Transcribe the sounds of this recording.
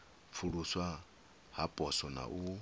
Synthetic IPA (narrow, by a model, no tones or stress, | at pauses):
fʰuɺuswa | ɦapʼɔsɔna̰ʔu